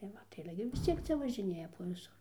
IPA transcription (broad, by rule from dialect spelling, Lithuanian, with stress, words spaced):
tɐɪ ˈʋɐ tɐɪ ɐˈlʲɛ ɡʲɪ ʋʲɪs ˈt͡sʲiɛk ˈt͡sʲɛ ʋɐʒʲɪˈnʲeːjɛ poː ʋʲɪˈsʊr